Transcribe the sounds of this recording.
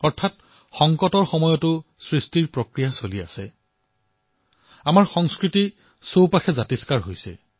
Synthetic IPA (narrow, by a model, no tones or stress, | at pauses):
ɔɹtʰat̚ | xɔŋkɔtɔɹxɔmɔjɔtʊsɹistiɹpɹokɹijasolia̰sɛ | amaɹxɔŋskɹiti | sowpaxɛzatiskaɹɦojsɛ̰